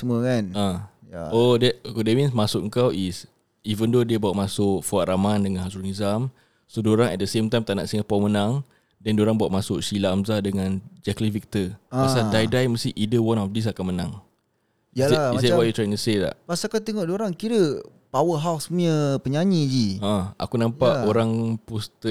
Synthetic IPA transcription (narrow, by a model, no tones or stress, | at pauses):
səmuəkanã | jaodɛdɛmĩnsmasʊkəŋkawis | ivəndodiəbawaʔ̚masʊkfɔaʔɾʔamandəŋãnhasɾunizam | sodoɾaŋɛ̰t̚dəsemt̪ajmt̪ana̰ʔsiŋapamənãŋ | dɛndoɾaŋbawaʔmasʊʔʃilaːmzadəŋãnd͡ʒɛklivik̚t̪əasadajdajməst̪iʔidəwanɔfdis̬akanmənãŋ | jaiswaʔjut̪ɾajiŋt̪uset̪a̰ʔpasakawt̪eŋɔʔdoɾaŋkiɾə | pawəɦawsməpəɲaɲid͡ʒiãa̰kunãmpaʔoɾaŋpust̪ə